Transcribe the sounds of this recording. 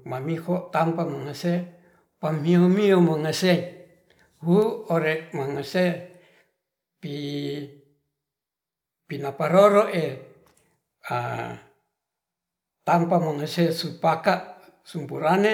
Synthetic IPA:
mamihot̪ampamaŋase | pamiomiomaŋase | huoɾeʔmaŋase | pi | pinapaɾoɾoʔe | a̰ | t̪ampamaŋasesupakaʔ | sumpuɾane

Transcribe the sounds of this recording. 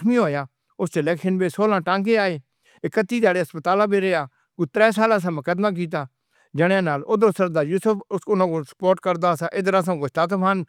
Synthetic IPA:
mĩːɦoːjaː | ʊselɛːkʃənbeːsoːlãːʈãːŋkeːaːeː | ɪkət̪ːiːd̪aːɽeːəspət̪aːlãːbeːɾeaː | kuːt̪ɾɛːs̬aːlãːs̬ãːməkəd̪mãːk̬iːt̪̬aː | d͡ʒəɽjãːnaːlʊd̪ɾoːsəɾd̪aːɾjuːsəpʊnãːkoːsə̥poːɾʈkəɾd̪aːsaːʔɪd̪əɾaːs̬ãːɡʊst̪aːt̪əpʰaːn

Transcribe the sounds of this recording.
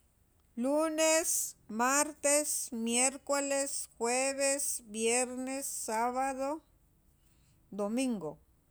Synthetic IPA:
lunesmaɾt̪esmjeɾkolesxweβesbjeɾnesːaβaðo | d̪omĩŋɡo̰

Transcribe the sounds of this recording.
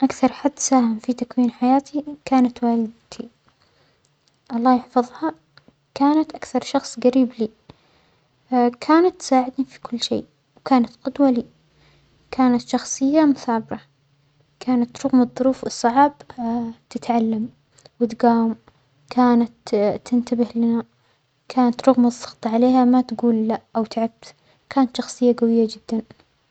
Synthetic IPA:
ʔakθɑɾˤħad̪ːsaːhɪmfit̪akwiːnħajaːt̪ʰikaːnat̪waːlɪd̪t̪ʰi | ʔɑlˤːɑːjɪħfɑðˤhɑ | kaːnat̪ʔakθɑɾˤʃɑxsˤɡaɾiːbliː | kʰaːnat̪ːsaːʕɪd̪nifi̥kʊlːʃḛː | wkaːnat̪qʊd̪waliː | kʰaːnat̪ʃɑxsˤɨjːamʊθabɾɑ | kʰaːnat̪ɾˤʊɣmɨðˤːʊɾuːfɨsˤːɑʕbt̪ɪt̪ʕalːam | wɪt̪ɡaːwɪm | kʰaːnat̪ːɪnt̪abɪhlɪna | kʰaːnat̪ɾˤʊɣmɨsˤːɑ̥ɣt̪ˤɑʕaleːhamat̪ɡuːlːaʔawt̪ʕab̚t̪ | kʰaːnat̪ʃɑxsˤɨjːaɡawɪjːad͡ʒɪd̪̥ːan

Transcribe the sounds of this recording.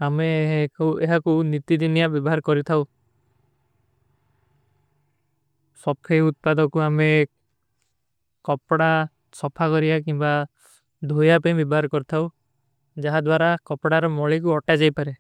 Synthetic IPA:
ameɦkweɦakunit̪id̪inijabɔbɔɦaɾkɔɾit̪ʰaw | sɔb̚kʰejut̪̚pad̪ɔkuame | kɔpɽa | sɔpʰakɔɾiakimba | d̪ʱojapaĩbjɔbɔɦaɾkɔɾit̪ʰaw | d͡ʒaɦad̪waɾakɔpɽaɾɔmɔɭik̬uɔʈad͡ʒajpaɾe

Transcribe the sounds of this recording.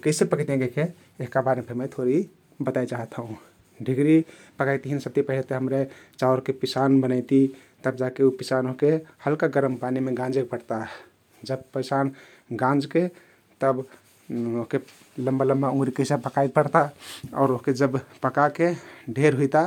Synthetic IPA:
kəɪsepəkt̪ẽɡeke | eɦkabaɾpʰemet̪ʰoɾi | bət̪ajt͡ʃaɦət̪ɦũ | ɖʱiɡɾi | pəkajt̪iɦinsəb̚t̪ipəɦilt̪eɦəmɾet͡ʃaoɾkepisanbənajt̪i | t̪əbd͡ʒakeupisanoɦkehəlkaɡəɾəmpanimeɡãnd͡ʒek̚pəɽt̪a | d͡ʒəb̚pəɪsan | ɡãnd͡ʒke | t̪əb | oɦke | ləmbaləmbaũŋɡɾikəɪsapəkajk̚pəɽt̪aɔ̰ːɾoɦked͡ʒəbpəkakeɖʱeɾɦujt̪a

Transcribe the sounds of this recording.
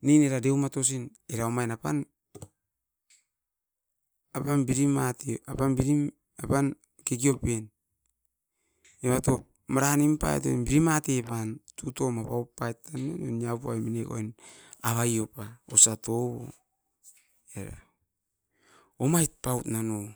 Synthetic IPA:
nineɾade̞wmato̞s̬in | eɾaomajnapan | apanbiɾimateapanbiɾim | apan | kek̬io̞pen | eβato̞ | maɾanimpa̰ḛto̰mbiɾimatepantuto̞mapaupːajtanononiapua̰jmineko̰jnaβajo̞paosatoβo̰ | eɾa̰ | omajt̚pawtnano

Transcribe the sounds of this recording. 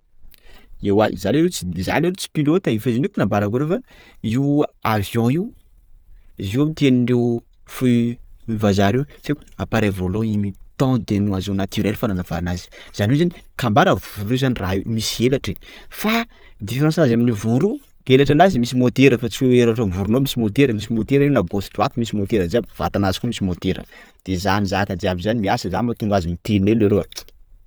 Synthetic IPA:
ewanizaleet͡siza̰neɾet͡si̥pilot̪aifezinukunambaɾakuɾewfa | iwavjɔ̃iw | iziwamt̪eniɳɖ͡ʐew | fuivazaɾewt͡seku̥apaɾevoloimit̪ɔ̃d̪enuazonat̪yɾɛlfananav̥a̰ɾinazi̥z̥anezanikambaɾəvuɾezaniraimisielaʈ͡ʂefa | d̪ifeɾãnsazaminivuɾu | elaʈ͡ʂanazimisimod̪eɾəfat͡siweweɾaʈ͡ʂovuɾunomisimod̪eɾəmisimot̪eɾenabosʈ͡ʂuat̪imisimot̪eɾəzabv̥a̰t̪anazi̥kʲumisimot̪eɾə̰d̪̥ezanizak̪ad̪iabizanimiasiza̰mat̪uŋɡazimit̪eineleɾoḁ

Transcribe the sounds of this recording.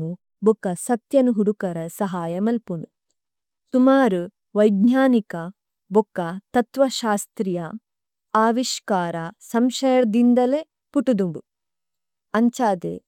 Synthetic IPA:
u | bukːɐsɐt̪jɐnuɦuɽukɐɾɐsɐɦaːjɐmɐlpuɳu | sumaːɾu | ʋɐjd̪ɲaːnikɐ | bukːɐt̪ɐt̪ʋɐʃaːst̪ɾijɐ | aːʋiʃkaːɾɐsɐmʃɐjɐɾɐd̪ind̪ɐle | puʈud̪uɳɖu | ɐɲt͡ʃaːd̪ḛ

